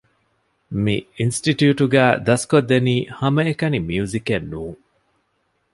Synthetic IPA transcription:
miinsʈiʈjuːʈuɡæːd̪ɐskod̪ːeniːhɐmɐekɐnimiuzikenːuːŋ

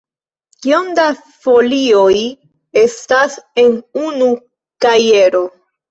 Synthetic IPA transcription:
kionda | fo̞lio̞j | e̞stase̞nunu | kaje̞ɾo̞

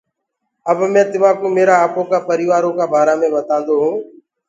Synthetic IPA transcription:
əbmɛ̃ːt̪ɪʋãːkũːmeːɾaːaːpõːkaːpəɾiːʋaːɾõːkaːbʱaːɾaːmẽːʋət̪ãːnd̪oːɦũː

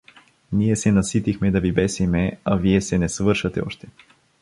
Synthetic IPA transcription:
niɛsɛnɐsit̪ixmɛd̪ɐvibɛsimɛaviɛsɛnɛsvɤɾʃɐt̪ɛ̰ɔʃt̪ɛ̥

